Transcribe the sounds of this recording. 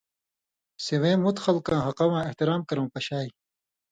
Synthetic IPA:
sewẽːmut̪xɐlkãːɦɐqɐwãːeht̪iɾaːmkɐɾõːpɐɕaːi

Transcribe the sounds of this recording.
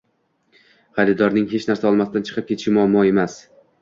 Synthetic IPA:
χɑɾɪd̪ɒɾnɪŋɦe̞t͡ʃnaɾsaɒlˠmasɪd̪ant͡ʃʰɨ̥qʰɨp̚kʲʰeʃɪmʊamːɒe̞mas

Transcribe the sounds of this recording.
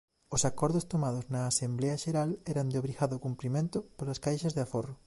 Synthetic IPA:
osakɔɾðʊst̪omað̞oznɐːsemblɛɐʃeɾalɛɾɐnd̪eoβɾiɣaðʊkumpɾimẽnt̪ʊpolɐskajʃɐzðeaforʊ

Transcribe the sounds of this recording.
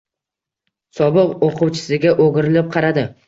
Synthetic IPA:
sɒbɨqoqʊwt͡ʃʰɪ̥sɪɡʲaʔoɡʲɪɾɪlɪp̚qʰɑɾad̪ɪ

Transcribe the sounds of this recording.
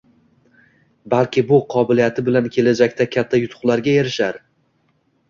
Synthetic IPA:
balkʲɪbʊqʰɒbɪlijat̪ʰɪbɪlankʲʰe̞lad͡ʒakʲt̪ʰakʲʰat̪ʰːajʊt̪ʰʊ̥χlˠaɾɡʲaeɾɪʃaɾ

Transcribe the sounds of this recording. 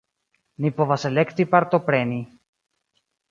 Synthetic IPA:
nipovaselekt̪ipaɾt̪opɾeni

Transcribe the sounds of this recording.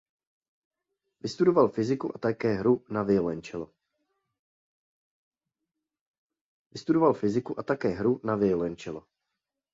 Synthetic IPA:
vɪst̪udo̞valfɪzɪkuʔat̪akɛːɦɾunavɪolɛnt͡ʃɛlo | vɪst̪udo̞valfɪzɪkuʔat̪akɛːɦɾunavɪolɛnt͡ʃɛlo

